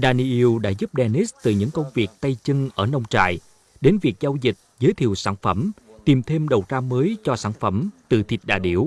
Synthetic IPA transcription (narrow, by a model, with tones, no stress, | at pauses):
ɗaː˧ni˧ʔi˧wɗa̰ː˧˥zu˦˥p̚ɗɛ˧ni˦˥st̪ɨ˨˩ɲɨ̰˧˥ŋkə˧wŋ͡mvi˨˩ək̚t̪ə˧jt͡ɕɨ˧ŋʔəː˧˩nə˧wŋ͡mt͡ɕa̰ː˧˨j | ɗe˨˦nvi˨˩ək̚zaː˧wzï˨˩t̚zəː˨˦jt̪ʰḭ˨˧˨əwsaː˧˩nfə˧˩mt̪i˨˩mt̪ʰe˧mɗə˨˩wt̪aː˧məː˨˦jt͡ɕɔ˧saː˧˩nfə˧˩mt̪ɨ̰˧˨˩t̪ʰi˨˩t̚ɗa̰ː˧˩ɗḭ˧˩əw